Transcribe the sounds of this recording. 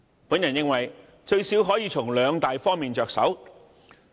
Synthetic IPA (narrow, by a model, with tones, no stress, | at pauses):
puː˨˥njɐ˨˩njɪ˥ŋwɐ˨˩j | t͡ʃɵ˧ɥsi˨˥wɦɔː˨˥jiː˨˧t͡sʰʊ˨˩ŋlœː˨˧ŋt̪aː˨jfɔː˥ŋmiː˨nt͡ʃœː˨k̚sɐ̰˨˥w